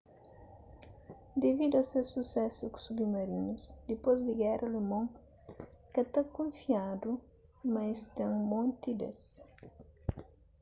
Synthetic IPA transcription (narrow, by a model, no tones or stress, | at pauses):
d̪evid̪uɐsesusɛsuksubimɐɾinusd̪epozd̪ɪɡɛrʔɐlemõŋ | kɐt̪ɐkõɱfiad̪u | mɐst̪ɐ̃ŋmõnt̪id̪ḛs